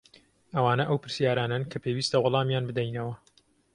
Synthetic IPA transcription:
ʔɐwaːnɐʔɐwpʰɨɾsjaːɾaːnankʰɐpʰewiːst̪ɐwʊlˠɑːmjaːnbɨd̪ɛjnɐwɐ

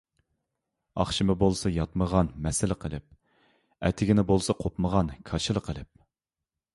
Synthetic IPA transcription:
ɑ̰χʃɨmɨbolˠsɑjɑt̪məʁɑnmɛsɪlɪqʰəlˠɪ̰p̚ | ɛ̰t̪ʰɪɡʲinɪbolˠsɑqʰopməʁɑnkʰɑʃɨlˠəqʰəlˠɪp̚

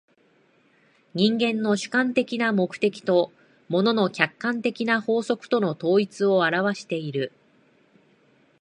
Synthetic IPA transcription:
ɲ̟ĩŋɡẽ̞nːo̞ɕɨ̥kãnt̪e̞kʲinamo̞kɯ̟̥t̪e̞kʲi̥t̪o̞ | mo̞no̞no̞kʲakːãnt̪e̞kʲinaho̞ːso̞kɯ̟̥t̪ono̞t̪o̞ːit͡sɨo̞aɾaβ̞aɕi̥t̪e̞iɾɯ̟

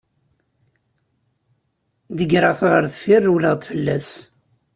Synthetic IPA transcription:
ðəɡɾɑθʁəɾθfirːuwləʁt̪ˤfəlːæs

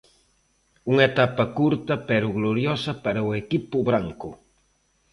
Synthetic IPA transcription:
uŋet̪apɐkuɾt̪ɐpeɾʊɣloɾjosɐpaɾaʊekipʊβɾaŋkʊ

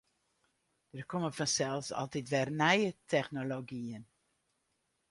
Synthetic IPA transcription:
d̥ərkɔməfɔnsɛlˠfsɔ̰lˠtitʋɛrnɛjətʰɛχnoloɡiən

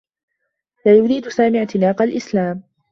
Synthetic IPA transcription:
laːjʊɾiːd̪ʊsaːmɪʕt̪ɪnaːqɑlʔɪslaːm

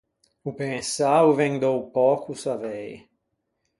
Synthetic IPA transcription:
upẽsauvẽŋd̪owpɔkusavɛj

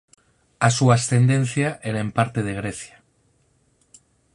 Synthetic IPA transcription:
asuast̪e̞nd̪ẽ̞nθjaʔeɾaempaɾt̪e̞ð̞e̞ɣ̞ɾeθja

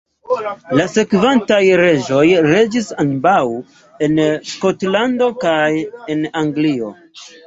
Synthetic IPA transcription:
lase̞kvantajɾe̞ʒo̞jɾe̞d͡ʒisanbaw | e̞nsko̞tlando̞kaje̞naŋɡlio̞̰

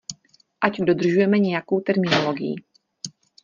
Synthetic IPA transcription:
ʔaɟdo̞d̪r̩ʒujɛmɛɲɛjako̞wt̪ɛɾmɪnolo̞ɡɪjḭ

